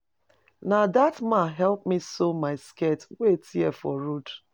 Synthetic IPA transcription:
nadatmaɦɛlp̚misomaɪsketwetiɛfɔɾud

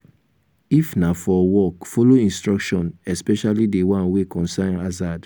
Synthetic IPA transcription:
ifnafɔwɔkfoloĩnstɹɔkʃɔ̃nɛspɛʃalidewãnwekɔ̃nsãnazad

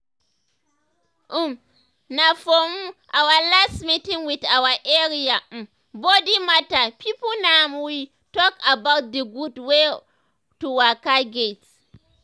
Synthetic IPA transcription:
ʔum | nafomuʔawalasmitĩŋwitawaʔeɾiam | bodimatapipunamwi | tɔkabawt̚dəɡudwe | tuwakaɡet

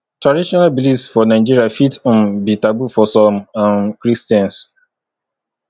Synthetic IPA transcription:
tɹadiʃɔnalbilisfɔnaɪd͡ʒiɾiafitɔ̃nbitabufɔsɔ̃mãnkɾistãns

